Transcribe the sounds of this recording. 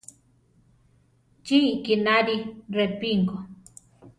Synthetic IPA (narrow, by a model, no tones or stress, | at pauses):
t͡ʃiikinaɾirepiŋɡo